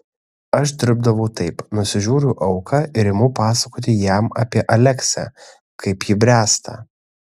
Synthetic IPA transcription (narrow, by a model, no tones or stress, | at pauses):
ɐʃd̪ʲɪɾb̚d̪ɐʋɔʊt̪ɐɪpnʊsʲɪʒʲuːɾʲʊʔɐʊkʰɑːʔɪɾɪmʊːpɑːsɐkoːt̪ʲɪjæmɐːpʲiɛʔɐlʲɛksʲæ̰ | kʰɐɪpjiːbʲɾʲæːst̪ʰɑ̰